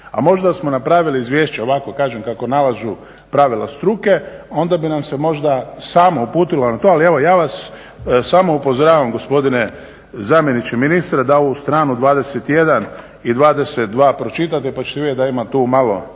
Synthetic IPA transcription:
a̰mo̞ʒd̪asmo̞napɾaːʋiliːzʋjeːʃt͡ɕeo̞ʋako̞kaːʒemkako̞nalazu | pɾaʋila̰st̪ɾuke̞o̞nd̪abinamsemo̞ʒd̪asaːmoupuːt̪ilonat̪o̞alie̞ʋo̞jaːʋasː | aːmoupo̞zoɾaːʋamɡo̞spo̞d̪ine | zamjenit͡ɕeminist̪ɾad̪ao̞ust̪ɾaːnud̪ʋaːd̪e̞set̪je̞d̪an | id̪ʋaːd̪e̞set̪̚d̪ʋaːpɾo̞t͡ʃit̪at̪epat͡ʃe̥t̪ied̪aimat̪uːmalˠo̞

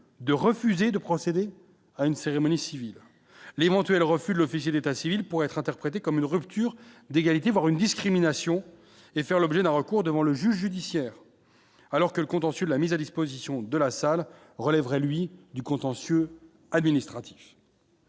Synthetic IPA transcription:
d̪əʁəfyzed̪əpχɔsed̪e | aynseʁemɔnisivil | levɑ̃t̪ɥɛlʁəfyd̪əlɔfis̬jed̪et̪asivilpuʁɛɛt̪χɛ̃t̪ɛʁpχet̪ekɔmynʁypt̪ʰyʁd̪eɡalit̪evwaʁynd̪iskχiminasjɔ̃ | efɛʁlɔbʒɛd̪ɛ̃ʁəkuʁd̪əvɑ̃ləʒyʒːyd̪isjɛːʁ | alɔʁkələkɔ̃t̪ɑ̃sjød̪əlamizad̪ispozisjɔ̃d̪əlasal | ʁəlɛvʁɛlɥid̪ykɔ̃t̪ɑ̃sjø | ad̪minist̪χat̪i̥f

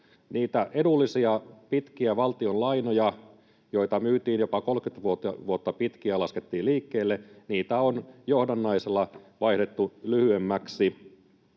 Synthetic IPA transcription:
niːt̪æʔe̞dulːisiɑpit̪kiæʋɑlt̪io̞nlɑinojɑ | jo̞it̪ɑmyːt̪iːnjo̞pɑko̞lkyt̪ʋuot̪ʋuot̪ːɑpit̪kiælɑsket̪ːiːliːkːeːlːeniːt̪æonjohdɑnːɑiselːɑʋɑihdet̪ːulyhyemːæksi

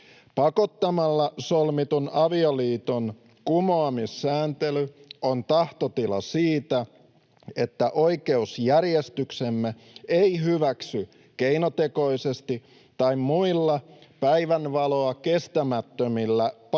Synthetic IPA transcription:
pɑko̞t̪ːɑmɑlːɑsolmit̪unɑʋioliːt̪on | kumoɑmisːæːnt̪elyont̪ɑht̪ot̪ilɑ̰siːt̪æ | e̞t̪ːæʔoikeusjærjest̪yksemːe | eihyʋæksy | keinot̪eko̞isest̪i | t̪ːɑimmuilːɑpæiʋænʋɑloɑke̞st̪æmæt̪ːømilːæp

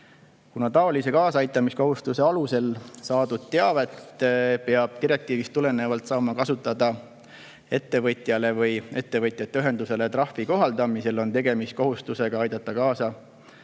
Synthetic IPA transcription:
kunɑt̪ɑo̞lise̞kɑːsɑɑjt̪ːˑɑmisko̞ɦust̪use̞ɑluse̞lsɑːd̪ud̪̥̚t̪e̞ɑvet̪ːpe̞ɑb̥̚t̪iɾe̞k̚t̪iːvist̪ːule̞nevɑlt̪sɑːmɑkɑsut̪ːˑɑd̪ɑ | e̞t̪ːe̞vɤjt̪ˑjɑle̞vɯje̞t̪ːe̞vɤjt̪ˑjɑt̪ːeyɦe̞nd̪use̞le̞t̪rɑhviko̞ɦɑld̪ɑmise̞lo̞nt̪e̞ɡe̞mist̪̚ko̞ɦust̪use̞ɡ̥ɑɑjd̪̥ɑt̪ːˑɑkɑːsɑ

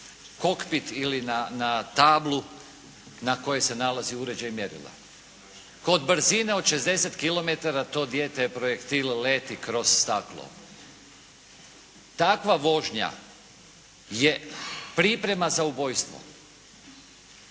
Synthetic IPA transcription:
ko̞kpit̪ilinanat̪aːblu | nako̞jese̞nalaziuɾe̞d͡ʑaimjeɾḭlḛ | ko̞d̪bɾzine̞o̞d̪ʃe̞zd̪e̞set̪kilo̞me̞t̪aɾat̪o̞ːd̪jeːt̪epɾo̞jekt̪illeːt̪ikɾo̞z̥ːt̪aklˠo̰ | t̪akʋaʋo̞ʒɲa̰ | je̞pɾipɾe̞mazaubo̞jst̪ʋo̰

